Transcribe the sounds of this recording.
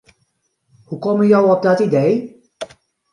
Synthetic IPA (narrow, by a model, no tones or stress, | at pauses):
hukɔmənjɔwɔb̚dɔtidej